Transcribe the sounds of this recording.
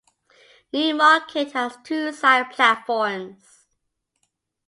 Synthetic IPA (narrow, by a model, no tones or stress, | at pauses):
nimɑˑkʰɪthəz̥tʰusaɪəpʰlatfɔɹmz̥